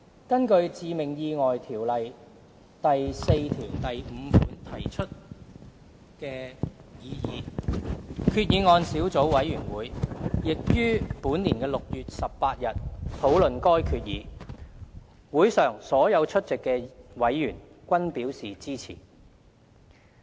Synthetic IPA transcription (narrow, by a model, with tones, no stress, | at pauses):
kɐ˥nkɵ˧ɥt͡siː˨˧mɪ˨˩ŋjiː˧ŋɔː˨jt̪ʰiː˨˩wlɐ˨j | t̪ɐ˨jse˧jt̪ʰiː˨˩wnt̪ɐ˨jm̩ː˨˧˦fuː˨˥nt̪ʰɐ˨˩jt͡ʃʰɵ˥t̚ | kɛː˧jiː˨˧jiː˨˥ | kʰyː˧t̚jiː˨˧ŋɔː˧nsiː˨˥wt͡so˨˥wwɐ˨˧˥jɥyː˨˩nwuː˨˥jjɪ˨k̚jyː˥puː˨˥nniː˨˩nkɛː˧lʊ˨k̚jyː˨t̚sɐ˨p̚paː˧t̚jɐ˨t̚t̪ʰo˨˥wlɵ˨nkɔː˥jkʰyː˧t̚jiː˨˥ | wuː˨˥jsœː˨ŋsɔː˨˥jɐ˨˧wt͡ʃʰɵ˥t̚t͡sɪ˨kːɛː˧wɐ˨˥jːyː˨˩n | kʷɐ˥npiː˨˥wsiː˨t͡siː˥t͡sʰḭː˨˩